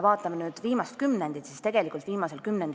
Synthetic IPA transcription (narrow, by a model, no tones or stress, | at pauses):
vɑːt̪ːˑɑmenyːd̪̥viːmɑst̪kymnend̪it̪sist̪e̞ɡ̥e̞likˑult̪viːmɑse̞lkymnend̪i